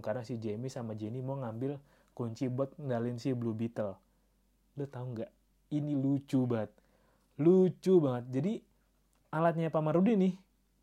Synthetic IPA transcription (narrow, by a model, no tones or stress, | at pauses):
karnasihd͡ʒemisamad͡ʒenimoŋambɪl | kuɲt͡ʃibɔt̪̚ndalinsiblubit̪əl | ləht̪auŋɡaʔ | inilut͡ʃubaŋət̪̚ | lut͡ʃubaŋət̪̚d͡ʒadi | alat̪̚ɲapamaɾudinɪh